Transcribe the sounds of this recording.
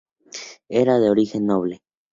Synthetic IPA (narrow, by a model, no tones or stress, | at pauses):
eɾaðeoɾixenːoβle